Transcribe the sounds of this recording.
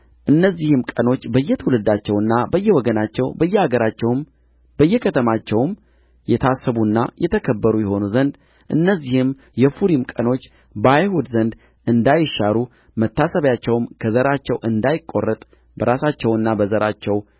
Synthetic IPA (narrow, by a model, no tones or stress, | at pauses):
ʔɨnːəzːihɨmkʼəno̞t͡ʃːbəjːɛt̪ʰəwulɨd̪at͡ʃːɛwɨnːabəjːɛwɔɡənat͡ʃːɛwbəjːɛaɡəɾat͡ʃːɛwm | b̥əjːɛkʰət̪ʰəmat͡ʃːɛwm | jɛt̪ʰasːəβunːa̰jɛt̪ʰəkʰəbːəɾujɛho̞nuzənd̪ | ʔɨ̰nːəzːihɨm | jɛfuɾimkʼəno̞t͡ʃː | bəajhud̪zənd̪ | ʔɨnd̪ajɪʃːaɾu | mət̪ːasəβjat͡ʃːɛwmkʰəzəɾat͡ʃːɛwʔɨnd̪ajɪkʼːo̞̰rːət̪ʼ | bəɾasat͡ʃːɛwɨnːabəzəɾat͡ʃːɛw